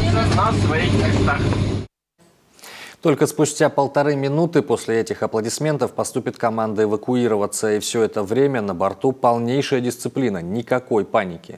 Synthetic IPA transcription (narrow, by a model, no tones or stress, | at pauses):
ɪzɐznafsvɐixmʲɪst̪ax | t̪o̞lʲkəspʊsʲtʲapəlˠt̪ɐɾɨmʲɪnut̪ɨpo̞sʲlʲɪɛtʲɪxɐplˠədʲɪsʲmʲe̞nt̪əfpɐst̪upʲɪt̪kɐmand̪əɪvəkʊiɾəvət̪səifsʲɵɛt̪əvɾʲemʲənəbɐrt̪upɐlˠnʲejʂəjədʲɪst̪sɨplʲinənʲɪkɐko̞jpanʲɪkʲɪ